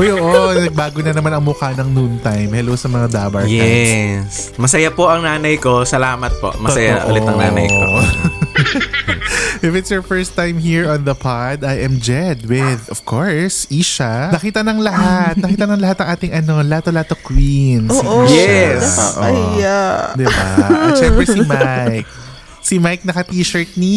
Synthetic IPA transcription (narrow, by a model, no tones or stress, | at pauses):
ʔojʔoːʔonɐɡ̚baːɡoɲɐnɐmanɐŋmʊkaːnɐŋnunt̪ajmhɛlowsɐmɐŋad̪aːbɐɹjkɛas | mɐsɐjapoʔɐŋnaːnɐjko̞sɐlaːmɐt̪̚po̰ʔmɐsɐja̰ʔṵlɪt̪ɐŋna̰ːnɐ̰jko̰o̰ʔ | ʔɪfɪt̪sjɔɹfɛɹst̪ãjmhiɹɔ̃nðɐpʰad̪ajʔɛ̃md͡ʒɛd̪̚wɪðɔv̥kʰoɹsʔiːʃɐnɐkiːt̪ɐnɐŋlɐɦat̪̚nɐkiːt̪ɐnɐŋlɐɦat̪ːɐŋʔaːt̪ɪŋʔɐno̞laːt̪olaːt̪okwinsːiʔjɛsoʔad̪ɪba̰ʔʃɛmpɾɛsimajk̚ | simajk̚nɐkɐt̪iːʃɐɹt̪̚ni